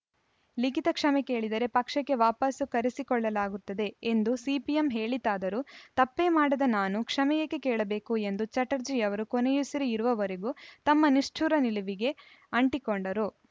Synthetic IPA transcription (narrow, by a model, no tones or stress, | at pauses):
likit̪ɐkʂɐmeke̞ːɭid̪ɐɾepɐkʂɐkːe̞ʋaːpɐsukɐɾisikɔɭːɐlaːɡut̪ːɐd̪e̞ːnd̪usiːpijemɦe̞ːɭit̪aːd̪ɐɾut̪ɐpːeːmaːɽɐd̪ɐnaːnukʂɐmɛjɐkːekɛːɭɐbe̞ːkue̞nd̪ut͡ʃɐʈɐɾd͡ʒijɐʋɐɾukonejusɐɾiiɾuʋɐʋɐɾeɡut̪ɐmːɐniʂʈʰuɾɐniliʋiɡe̞ | ɐɳʈikoɳɖɐɾu